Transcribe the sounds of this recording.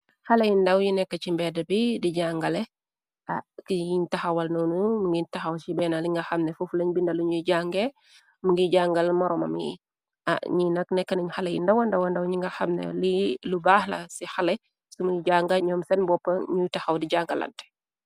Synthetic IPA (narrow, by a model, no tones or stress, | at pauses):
xɐlɐjindɐwjinɛkːɐt͡ʃimbɛdɐbidiɟaŋɡɐlɛ | akijiɲtɐxɐwɐlnɔnumuŋɡiɲtɐxɐwsibɛnaliŋɡɐxɐmnɛfuflɛɲbindɐluɲuɟaːŋɡɛ | muŋɡiɟaːŋɡɐlmɐɾɔmɐ̰mḭ | ʔa̰ɲinɐknɛkːɐniɲxɐlɐjḭndɐwɐndɐwɐndɐwɲiŋɡɐxɐmnɛ̰lilubaːhlɐ̰sixɐlɛ | sumujiɟaːŋɡɐɲɔːmsɛnbɔpːɐɲujtɐxɐwdiɟaŋɡɐlɐ̰ntɛ̥